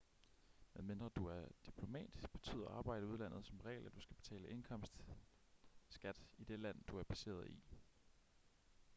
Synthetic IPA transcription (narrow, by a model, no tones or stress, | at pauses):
meðˠme̝nd̥ʁɐd̥uæɐd̥ipʰlo̝mɛ̰ːd̥isɡ̥b̥e̝̥t͡sʰy̰ːðˠɐɑ̈ːb̥ɑ̈ɪ̰d̥əuð̞ˠlæn̰ð̞̩ˠsɒ̽mʁɛ̰ɪlæd̥usɡ̥æb̥e̝̥t͡sʰɛ̰ːləʔe̝nkʰɒ̽m̰sd̥ | sɡ̥æd̥id̥e̝læn̰d̥uæɐpʰæse̝̰ːɐð̞ˠi